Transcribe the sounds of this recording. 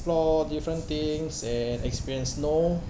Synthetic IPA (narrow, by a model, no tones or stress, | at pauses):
plɔdifɹə̃nt̪ĩŋsɛ̃nɛkspiɹiə̃nsno